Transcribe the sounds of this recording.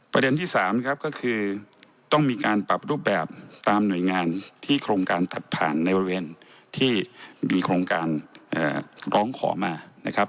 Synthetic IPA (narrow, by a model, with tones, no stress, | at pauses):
pɾa˧de˧nt̪ʰiː˥˩saː˩˦mna˦˥kʰa˦˥p̚kɔː˥˩kʰɯː˧ | t̪ɔ˥˩ŋmiː˧kaː˧npɾa˨˩p̚ɾuː˥˩p̬̚bɛː˨˩p̚t̪aː˧mnu˨˩əjŋaː˧nt̪ʰiː˥˩kʰɾoː˧ŋkaː˧nt̪a˨˩t̪̚pʰa̰ː˨˩nːa˧jbɔː˧ɾi˧weː˧n | t̪ʰiː˥˩miː˧kʰɾoː˧ŋkaː˧nʔə̰ː˨˩ɾɔː˦˥ŋkʰɔ̰ː˩˦maː˧na˦˥kʰa˦˥p̚